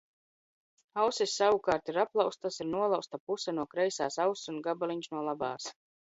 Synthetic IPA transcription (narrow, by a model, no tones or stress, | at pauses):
awsisːawukaːɾt̪iɾaplˠawst̪asiɾnuɔlˠawst̪apusanuɔkɾɛjsa̰ːsawssunɡabaliɲsnuɔlˠaba̰ːs